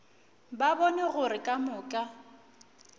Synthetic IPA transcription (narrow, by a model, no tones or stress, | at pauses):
babɔnɛɣʊɾɪkʼamʊːkʼa